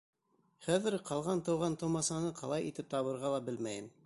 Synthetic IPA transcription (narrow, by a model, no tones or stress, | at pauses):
χæðɘɾqɑlˠʁɑnt̪ɤ̆wʁɑnt̪ɤ̆wmɑsɑnɤqʰɑlˠɑjit̪ɘp̚t̪ɑβɤ̆ɾʁɑlˠɑbɘlmæjɘm